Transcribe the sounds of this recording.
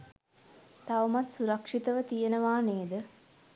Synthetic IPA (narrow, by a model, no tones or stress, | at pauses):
t̪aʋəmat̪suɾakʂit̪əʋət̪ijenəʋaːneːd̪ə